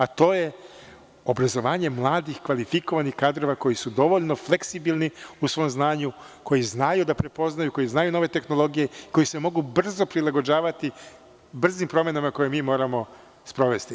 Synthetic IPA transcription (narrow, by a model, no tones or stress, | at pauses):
at̪o̞ːje̞ | o̞bɾazo̞ʋaːɲe̞mlˠaːd̪ixkʋalifiko̞ʋanixkaːd̪ɾo̞ʋako̞jisud̪o̞ʋoʎno̞fle̞ksibilˠniusʋojmznaːɲu | kʰo̞jiznajud̪apɾe̞po̞znajuko̞jiznajuno̞ʋe̞t̪e̞xno̞lˠo̞ɡije̞iko̞jise̞mo̞ɡubr̩zo̞pɾilˠaɡo̞d͡ʑaːʋat̪i | br̩zimpɾo̞mjenamako̞jemiːmo̞ːɾamo̞ | spɾo̞ʋe̞st̪i